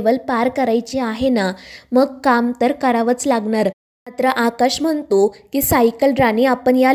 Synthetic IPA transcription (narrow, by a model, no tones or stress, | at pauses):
ʋəlpaɾkəɾajt͡ɕiaɦenaməɡkamt̪əɾkəɾaʋət͡slaɡɳaɾ | mat̪ɾəʔakaɕm̤əɳt̪okiːsajkəlɖɾaneapəɳja